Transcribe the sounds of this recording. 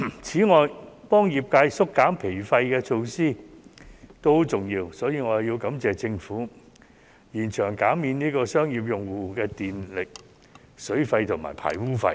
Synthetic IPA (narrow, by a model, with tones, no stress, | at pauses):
t͡sʰiː˨˥ŋɔː˨˧jpɔː˥ŋjiː˨p̚kaː˧jsʊ˥kːaː˨˥mpʰe˨˩jfɐ˧jkɛː˧t͡ʃʰo˧wsiː˥ | t̪o˥t͡sʊ˨˩ŋjiː˧wsɔː˨˥jiː˧ŋɔː˨˧˨jiː˧wkɐ˨˥mt͡sɛː˨t͡sɪ˧ŋfuː˨˥ | jiː˨˩nt͡ʃʰœː˨˩ŋkaː˨˥miː˧nniː˥kɔː˧sœː˥ŋjiː˨p̬̚jʊ˨ŋwuː˨kɛː˧t̪iː˨nlɪ˨k̚ | sɵ˨˥ɥfɐ˧jt̪ʰʊ˨˩ma̰ː˨˩jpʰa̰ː˨˩jwuː˥fɐ̰˧j